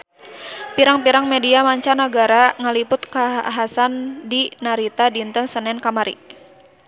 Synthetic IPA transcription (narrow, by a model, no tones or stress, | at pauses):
piɾaŋpiɾaŋmɛdiamaɲt͡ʃanaɡaɾaŋalipʊt̪kaɦasandinaɾit̪adint̪əŋsənɛnkamaɾḭ